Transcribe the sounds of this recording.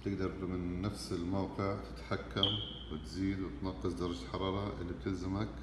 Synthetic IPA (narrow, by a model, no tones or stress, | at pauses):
t̪ɪɡd̪ɑɾˤbmɪnːafsɪlmawqɨʕt̪ʰɪ̥t̪ħakːam | wɪt̪ziːd̪wɪt̪nɑqːɨsd̪ɑɾˤɑd͡ʒħɑɾˤɑːɾˤɑʔɪ̰lːib̚t̪ɪlzamak